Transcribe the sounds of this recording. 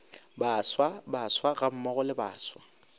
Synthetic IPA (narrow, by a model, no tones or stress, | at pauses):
baːswabaswaɣam̩mɔɣɔlɪba̰ːswa